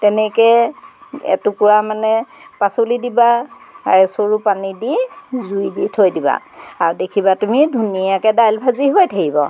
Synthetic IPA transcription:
tɛnɛkɛ | ɛ̰tukuɹamanɛpasolidibaaɹɛsoɹupanidizujditʰojdiba̰ | aɹudekʰibatumidʱunijakɛdajlbʱaziɦojtʰakibɔ̰

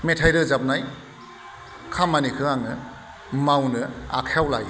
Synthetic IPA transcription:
metʰajɾɯzap̚naj | kʰamanikʰɯaŋɯ | mawnɯa̰kʰawlaj

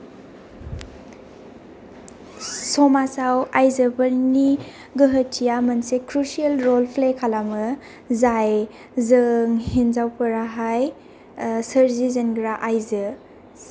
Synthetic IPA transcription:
sɔmasawajzəbəɾni | ɡəɦətʰːijamɐnsekɾusielɾolpʰlekʰalamɯ | zaj | zəŋhinzawpʰəɾaɦaj | səɾzizənɡɾaʔajzɯ

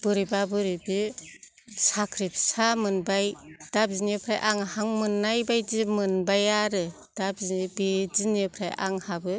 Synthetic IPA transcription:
bɯɾibabɯɾibi | sakʰɾip̚samɯnbajd̥ap̚zinepʰɾajʔaŋhaŋmɯnːajbajzimɯnbajaɾɯ | d̥ab̚zinibizinɯpʰɾaja̰ŋhabɯ

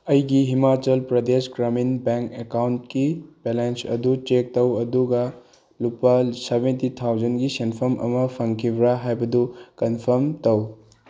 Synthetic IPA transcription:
ɐjɡiɦimat͡ʃɐlpɾɐd̪esɡɾɐminbeŋkekawntkibelensɐ̰d̪ut͡ʃek̚tɐwɐd̪uɡɐ | lupːɐsebentit̪ʰawd͡ʒɐnɡisenpʰɐɾmʔɐ̰mɐpʰɐŋkʰibɾaɦajbɐdukɐnpʰɐɾmtɐw

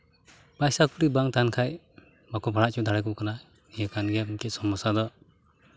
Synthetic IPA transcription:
b̥ajsakʰuɾibaŋtankʰaj | makʰɔbʱaɾaʔt͡ʃʰɔd̪ʱaɾajkukana | nijakanɡemkesɔmːɔsad̪ɔ

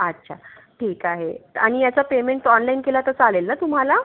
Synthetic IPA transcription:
atːɕʰa | ʈʰiːkaɦea̰ɽ̃ijat͡sapemeɳʈɔnlainkelat̪ət͡salelːat̪um̤ala

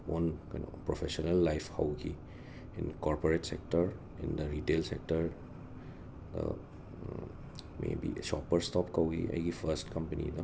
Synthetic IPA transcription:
onkɐjno̰pɾopʰesonelːajpʰhawɡi | inkɔɾpoɾetsek̚tɐɾ | ind̪ɐɾitelsek̚tɐɾ | d̪ɐ̰ | mḛbisɔpɐɾstɔpkɐwɡḭɐ̰jɡipʰɐɾstkɐmpɐnḭd̪ɐ

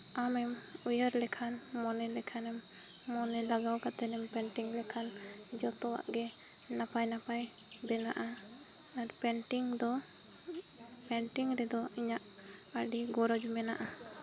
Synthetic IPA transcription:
amɛm | ujəɾlɛkʰan | mɔnɛlɛkʰanɛmː | ɔnɛlaɡawkat̪ɛnɛmpɛɳʈiŋlɛkʰan | d͡ʒɔt̪ɔwa̰ʔɡɛ | napajnapajbɛnaʔa | aɾpɛɳʈiŋd̪ɔ | pɛɳʈiŋɾɛd̪ɔiɲaʔəɖiɡɔɾɔd͡ʒumɛnaʔa

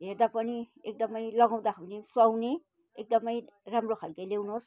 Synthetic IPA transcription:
ɦerd̪apʌniek̚d̪ʌmʌjlʌɡaw̃d̪aawnesʌwne | ek̚d̪ʌmʌjramrokʰalkelewnos

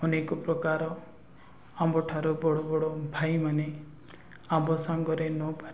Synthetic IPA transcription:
ɔnekɔpɾɔkaɾɔ | ambɔʈʰaɾubɔɽobɔɽɔbʱajmane | ambɔsaŋɡɔɾenɔpaɾ

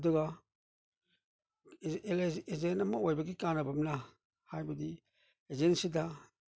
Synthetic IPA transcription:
duɡa | ezɛnamawajbaɡikanabamna | hajbadi | ɛzɛnsida

